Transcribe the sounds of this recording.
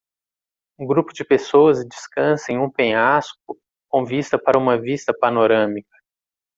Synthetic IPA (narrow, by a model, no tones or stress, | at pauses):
ũɡɾupʊd͡ʒɪpesoɐzd͡ʒiskɐ̃sẽj̃ũpẽjask̚ʊ | kõvist̪ɐpaɾɐũmɐvist̪ɐpanoɾɐ̃mikɐ̥